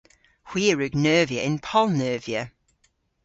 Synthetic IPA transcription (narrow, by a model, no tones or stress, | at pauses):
hw̥iəɹʉɡnɜːvijəʔɪ̃npʰɔlˠnɜːviə